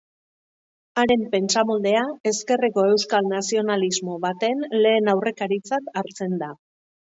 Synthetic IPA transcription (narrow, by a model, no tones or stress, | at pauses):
aɾe̞mpe̞nt͡samold̪e̞ae̞ske̞reko̞e̞wskalnasio̞nalizmo̞βat̪e̞nle̞ːnawre̞kaɾit͡sat̪aɾt͡se̞nd̪a